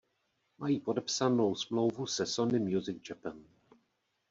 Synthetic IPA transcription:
majiːpo̞dɛpsanowsmlo̞wvusɛsonɪmjuzɪɡ̚d͡ʒɛpɛn

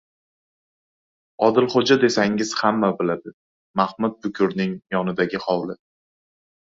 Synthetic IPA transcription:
ɒd̪ɪlχod͡ʒad̪e̞saŋɪz̥hamːabɪlad̪ɪ | mahmʊt̪̚bʊkʲʰʊɾnɪŋjɒnɪd̪aɡʲɪhɒwlɪ

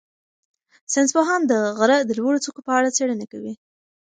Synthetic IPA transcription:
sɪnspoɦɑnd̪əɣaɾad̪əlwaɽot͡sokopəaɽat͡seɽənakawi

